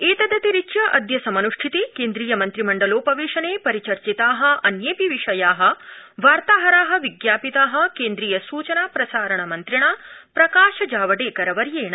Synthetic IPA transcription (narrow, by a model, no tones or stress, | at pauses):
eːt̪ɐd̪ɐt̪iɾit͡ʃjɐʔɐd̪jɐsɐmɐnuʂʈʰit̪ikeːnd̪ɾiːjɐmɐnt̪ɾimɐɳɖɐloːpɐʋiːʃɐneːpɐɾit͡ʃɐɾt͡ʃit̪aːɦɐ̆ɐnjeːpiʋiʂɐjaːɦɐ̆ʋaːɾt̪aːɦɐɾaːɦɐ̆ʋiɡjaːpit̪aːɦɐ̆keːnd̪ɾiːjɐsuːt͡ʃɐnaːpɾɐsaːɾɐɳɐmɐnt̪ɾiɳaːpɾɐkaːʃɐd͡ʒaːʋɐɖeːkɐɾɐʋɐɾjeːɳɐ